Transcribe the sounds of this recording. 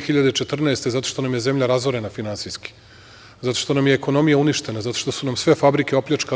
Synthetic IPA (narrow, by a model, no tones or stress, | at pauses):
xiʎad̪et͡ʃe̞t̪r̩naest̪e̞zat̪oʃt̪o̞namje̞ze̞mʎaɾazʋoɾe̞nafinansiski̥ | zat̪o̞̥ʃt̪o̞namjeːko̞no̞mijauniʃt̪e̞nazat̪o̞ʃt̪o̞sunamsʋe̞fabɾikeo̞pʎʲat͡ʃka